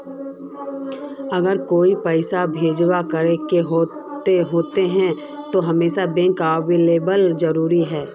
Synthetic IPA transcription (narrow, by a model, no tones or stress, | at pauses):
ɐɡəɾkoːipɛɪsabʱeːd͡ʒwakəɾekeɦo | eɦoːt̪eɦɛ̃ | t̪oɦɐmeːʃabẽŋkaːʋeːleːbəlzɐɾuːɾiɦɛː